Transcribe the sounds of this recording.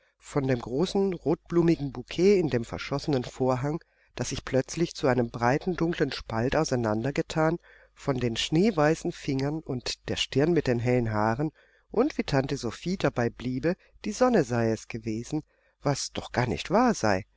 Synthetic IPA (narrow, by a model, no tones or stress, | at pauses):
fɔndeːmɡʁoːsn̩ʁoːt̚b̥luːmɪɡŋ̩bukʰeːɪndeːmfɛɐʃɔsənənfoːɐɦaŋ | d̥asz̥ɪçpl̥œt͡slɪçt͡suʔaɪnəmbʁaɪtn̩dʊŋklənʃpaltaʊsaɪnandɐɡətʰaːn | fɔndeːnʃneːvaɪsn̩fɪŋɐnʊntd̥eːɐʃtɪɐnmɪt̚d̥eːnɦɛlənɦaːʁən | ʔʊntv̥iːtʰantəzofiːdabaɪbliːbə | d̥iːzɔnəzaɪɛsɡ̥əveːzn̩ | vasd̥ɔχɡ̥aːɐnɪ̰çtv̥aːɐza̰ɪ